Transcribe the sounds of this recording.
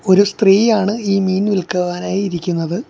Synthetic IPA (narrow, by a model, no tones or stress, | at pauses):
o̞ɾust̪riːjaːɳɨiːmiːnʋilkɐʋaːnaːjiɾikʲːunːɐðɨ